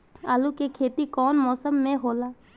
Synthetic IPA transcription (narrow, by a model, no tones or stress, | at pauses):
aːlukekʰeːt̪ikɔːnmɔːsəmːẽɦoːlaː